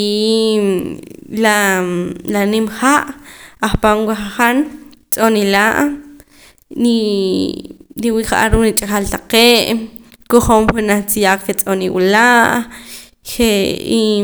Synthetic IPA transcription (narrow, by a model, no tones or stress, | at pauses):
la | lanimχaʔaχpanwaχaχan | t͡sʼonilaʔ | i | ɾiwiʔχa̰ʔa̰ɾuːnit͡ʃʼaχalt̪aqeːʔ | koχoːmwenaχt͡sijakket͡sʼoniwṵlaʔ | χei